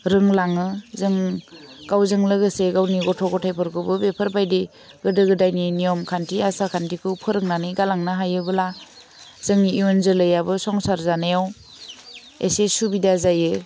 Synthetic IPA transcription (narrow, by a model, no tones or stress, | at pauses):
ɾɯŋlaŋɯzɯŋɡ̥awzɯŋlɯɡɯseɡawniɡɔtʰɔɡɔtʰajpʰɯɾkʰɯbɯbepʰɯɾbajdi | ɡɯdɯɡɯdajninijɔmkʰantiasakʰantikʰɯpʰɯɾɯŋnanɯjɡalaŋnaɦajɯbɯla | z̥ɯŋiiɔnzɯlɯjabɯsɔŋsaɾzanajaw | ḛsesubidazajɯ